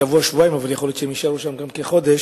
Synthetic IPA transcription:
avuaʃvuaimavaljeχoljot̪t͡ʃʃeemiʃaluʃamɡamkeχo̞d̪e̞ʃ

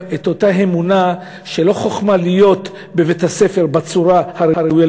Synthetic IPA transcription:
et̪o̞taɦe̞muna | ʃe̞lo̞χoχmalijo̞t̪ | be̞vethase̞fe̞ʁbat͡suʁahaɾeaɾeuja

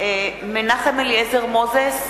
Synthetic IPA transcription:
menaχemeljezeʁmozes

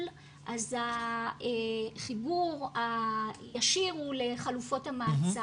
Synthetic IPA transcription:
l | ʔazaeχibuʁajaʃiʁuleχalufo̞tamaːt͡sa

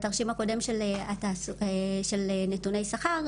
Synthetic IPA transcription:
t̪aʁʃimhako̞de̞mʃeleataseʃelnetunejsaχaʁ

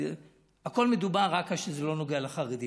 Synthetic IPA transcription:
ako̞lmed̪ubaʁʁakalʃezelo̞noɡealeχaʁed̪i

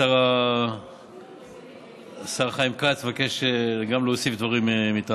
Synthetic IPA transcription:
saʁa | saʁaχaimkat͡svakeʃeɡamleosifd̪vaʁimmit̪a

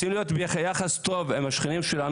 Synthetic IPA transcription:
imlijo̞t̪bjaχejaχast̪o̞vemaʃχinimʃelan

